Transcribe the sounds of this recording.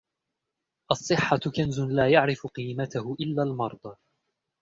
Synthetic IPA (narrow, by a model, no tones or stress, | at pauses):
ʔɑsˤːɨħːakanzʊlaːjaʕɾɪfʊqiːmat̪ahʊʔɪlːaːlmɑɾˤd̪ˤɑ